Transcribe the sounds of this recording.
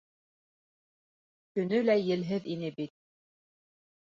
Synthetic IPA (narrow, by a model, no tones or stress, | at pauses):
kɵ̆nɵlæjɘ̆lɦɘðinɘbit̪̚